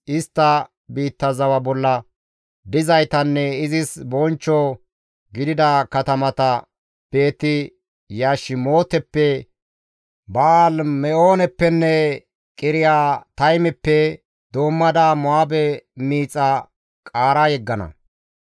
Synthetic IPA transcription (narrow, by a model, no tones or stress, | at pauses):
ʔɪst̪ːɐ | biːt̪ːɐzɐwɐbɔlːɐ | d̪ɪzɐjt̪ɐnːɛɪzɪsbɔnt͡ʃːo | ɡɪd̪ɪd̪ɐkɐt̪ɐmɐt̪ɐ | b̥e̞ːt̪ːɪ | jaːʃɪmo̞ːt̪ɛpːɛ | baːlmɛo̞ːnɛpːɛnːɛ | kʼɪɾɪjaːt̪ɐjmɛpːɛ | d̪o̞ːmːɐd̪aːmʊaːbɛmiːt͡sʼːɐ | kʼaːɾajɛɡːɐnɐ̰